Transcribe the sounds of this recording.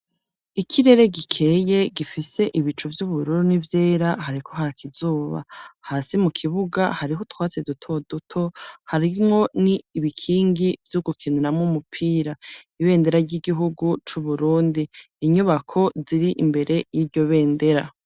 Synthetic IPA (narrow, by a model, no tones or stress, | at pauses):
ikʰiɾe̞ɾe̞ɡikʰe̞je̞ɡifise̞ʔiβit͡ʃuvjuβuɾuɾunivje̞ːɾaɦaɾikʰo̞ɦakʰizuːβa̰haːsimukʰiβuɡahaɾiɦotwaːt͡sedutʰo̞dutʰo̞haɾimŋo̞niːβikʰiːŋɡivjuɡukʰiniɾamŋumupʰiːɾaiβe̞ːnde̞ɾaɾɟiɡiɦuɡut͡ʃuβuɾuːndiː | ɲuβakʰo̞ziɾiʔimbe̞ɾe̞jiɾɟo̞βe̞ːnde̞ɾa